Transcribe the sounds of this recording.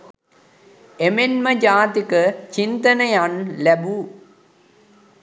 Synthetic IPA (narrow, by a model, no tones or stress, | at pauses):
emenməd͡ʒaːt̪ikət͡ʃint̪ənəjanlæbu